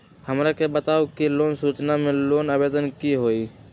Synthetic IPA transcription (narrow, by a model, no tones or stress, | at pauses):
həmɾakebət̪aːukiloːnsuːt͡ʃnamẽloːnəbeːd̪ənkiɦoːiː